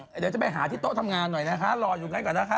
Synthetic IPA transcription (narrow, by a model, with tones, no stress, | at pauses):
ɗe˨˩t͡ɕa˨˦ma˧˩ɦaː˨˩˦t̪i˦˥t̪o˦˥t̪ʰa˧mŋaː˧nːɔ˨˩jnaː˨˦˥xaː˨˦˥lɔː˧zu˨˩ŋa˨˦˥kɔ˨˩naː˨˦˥xaː˨˦˥